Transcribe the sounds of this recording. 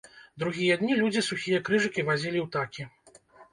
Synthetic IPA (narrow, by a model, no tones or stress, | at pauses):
d̪ɾuɣʲijɐd̪nʲilʲud͡zʲisuxʲijɐkɾɨʐɨkʲivazʲilʲiwt̪akʲi